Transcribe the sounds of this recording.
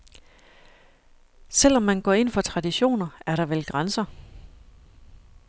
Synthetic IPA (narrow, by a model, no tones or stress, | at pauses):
sel̰ɒ̽mːænɡ̥ɒ̰e̝n̰fɒ̽t͡sʰʁɑ̈diɕo̝̰ːnɐæɐɾɑ̈ʋelɡ̥ʁansɐ